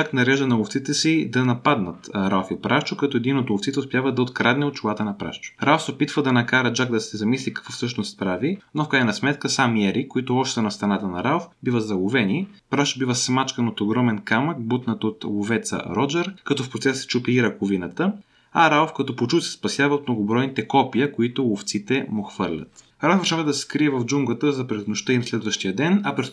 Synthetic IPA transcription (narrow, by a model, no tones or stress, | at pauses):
d͡ʒaknɐɾɛʒənɐlˠoft̪sit̪ɛsid̪ɐnɐpad̪nət̪ɾalfipɾʔaʃt͡ʃʊkɐt̪ɔɛd̪inot̪ʊft̪sit̪ɛʊspjavəd̪ɐot̪kɾad̪nɛot̪̚t͡ʃʊlˠat̪ənɐpɾa̰ʃt͡ʃʊ̥ɾʔawfsɛopit̪vəd̪ɐnɐkaɾəd͡ʒakd̪ɐsɛzɐmislʲikɐ̥kvɔfsɤʃnost̪pɾavinofkɾajnɐsmɛt̪kəsamiɛɾikoit̪ʊɔʃt̪ɛnɐst̪ɾɐnat̪ənɐɾalfbivəzɐlˠʊvɛni | pɾaʃbivəsmat͡ʃkənot̪oɡɾɔmɛnkamək̚but̪nət̪ot̪lˠovɛt̪sə̰ɾɔd͡ʒɛɾkɐt̪ɔfpɾot̪sɛssɛ̥t͡ʃupiiɾəkʊvinət̪ə | ɐɾalfkɐt̪ɔpot͡ʃut̪sɛ̥spɐsʲjavɐot̪mnoɡobɾɔjnit̪ɛkɔpiəkoit̪ʊlˠoft̪sit̪ɛmoxvɤɾlʲə̰t̪ | ɾalfvʃavəd̪ɐsɛ̥kɾiɛvɐvd͡ʒuŋɡət̪əzɐpɾɛznoʃt̪əinɐslɛd̪vəʃt̪ijəd̪ɛnɐpɾɛ